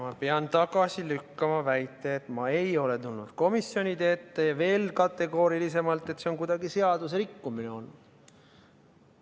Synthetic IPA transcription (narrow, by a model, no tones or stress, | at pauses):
mɑpeɑnt̪ɑɡɑsilykːɑmɑvæjt̪ːˑe̞ːt̪ˑmɑe̞jo̞le̞t̪ulnṵd̪̥ko̞misjo̞nʲit̪e̞ːt̪ːejɑve̞ːlkɑt̪ːe̞ɡo̞ːɾilis̬e̞mɑlt̪ːˑet̪seonkujd̪̥ɑɡ̥ise̞ɑd̪useɾikːumine̞o̞n̥ː